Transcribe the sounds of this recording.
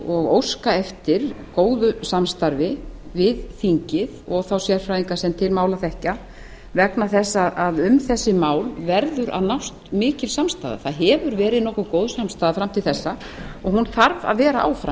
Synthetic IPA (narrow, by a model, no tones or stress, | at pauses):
ɔɣowskaɛft̪ɪɾ̥koːwðʏsamst̪aɾvɪvɪðθiɲcɪðɔɣθawsjɛɾ̥fɾajðiŋkasɛmt̪ʰɪlmaːwlaθɛhca | vɛknaθɛsːaaðʏmθɛsːɪmaːwlvɛɾðʏɾʔa̰ðnawst̪mɪːcɪlsamst̪a̰ːða̰θaðɦɛvʏɾvɛːɾɪðnɔhkʏkowðsamst̪aːðafɾamt̪ʰɪlθɛsːa | ɔɣhunθaɾva̰ðvɛːɾaʔa̰ːwfɾa